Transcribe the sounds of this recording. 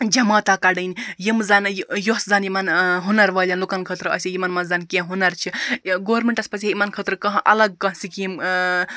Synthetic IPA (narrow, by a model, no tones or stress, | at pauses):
d͡ʒɐmaːt̪akaɖənjimzanjoszanjimɐnɦunɐɾʋɐlʲanlukɐnkʰət̪ɾɐ̰sʲijimɐnmɐzankẽɦunɐɾt͡ʃʰiɡoʋɾmeɳʈɐspɐsejimɐnkʰət̪ɾɨkɐɦʔɐlɐɡ̚kɐɦsikim